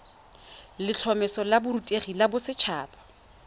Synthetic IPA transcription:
lɪt͡ɬʰɔmɛsɔlabʊɾutʼeχilabʊsɪt͡ʃʰaːpʰʼḁ

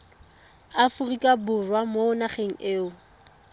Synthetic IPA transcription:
afʊrikʼabʊrwamoʊnaχeŋ̩eːʊ

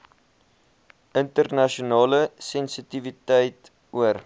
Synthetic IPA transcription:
əntərnɐʃunɑːləsɛnsitivitəjt | uər

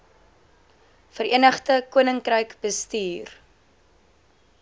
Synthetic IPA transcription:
fəriənəχtəkuənəŋkrəjkbəstiːr

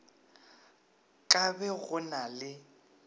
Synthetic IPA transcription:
kʼabɛɣʊnalɪ

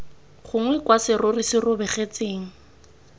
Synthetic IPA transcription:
χʊŋwɛkwasɪrʊrɪsɪrʊbɛχet͡seːŋ̩

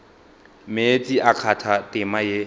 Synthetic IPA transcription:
met͡sʼiʔakʰatʰatʼɪmaje

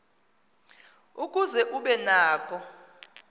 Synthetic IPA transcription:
ukʼuzɛʔuɓɛnaːkʼɔ

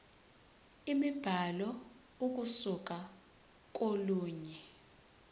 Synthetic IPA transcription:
imib̥ʱalɔ | uk̬usuk̬a | k̬ʼoluːɲɛ

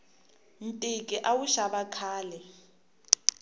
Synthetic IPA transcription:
n̩tʼikʼiʔawuʃaβakʰaːlɛ

